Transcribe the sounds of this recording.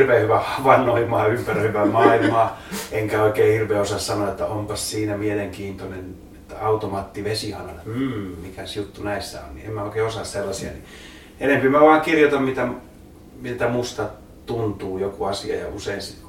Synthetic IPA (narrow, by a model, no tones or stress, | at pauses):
rʋeːhyʋæhɑʋɑnːoimɑːympærøhyʋæmɑːilmɑːeŋkæoikeːhirʋeːosɑssɑnoɑet̪ːæompɑssiːnæmieleŋkiːnt̪onen | et̪ːæɑut̪omɑt̪ːiʋesihɑnɑlɑm̩ːmikæsjut̪ːunæisːæ̰o̰nnḭemmæoˑikeːosɑsselːɑsiɑ̰ni | enempimæʋɑːŋkirjot̪ɑmmit̪æ | mit̪æmust̪ɑ | t̪unt̪uːjokuɑsiɑ̰jɑ̰useinsi